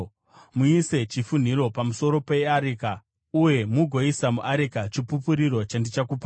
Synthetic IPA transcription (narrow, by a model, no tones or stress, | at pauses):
muise̞t͡ʃifun̤iɾo̞pamuso̞ɾo̞pe̞aɾika | uje̞muɡʱo̞isamuʔaɾikat͡ʃipupuɾiɾo̞t͡ʃandit͡ʃakupa